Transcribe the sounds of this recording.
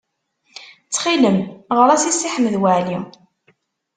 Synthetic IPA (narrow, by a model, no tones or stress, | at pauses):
t͡sːχiləmʁəɾˤæsisːiħəməðwaʕli